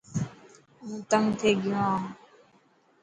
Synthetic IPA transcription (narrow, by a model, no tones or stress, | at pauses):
ɦũːt̪əŋɡt̪ʰeːɡɪjõã